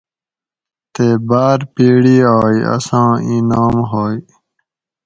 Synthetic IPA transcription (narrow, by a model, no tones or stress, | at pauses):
t̪eːbaːɾpiːɽiːaːiɐ̰sãːĩːnaːmɦoːi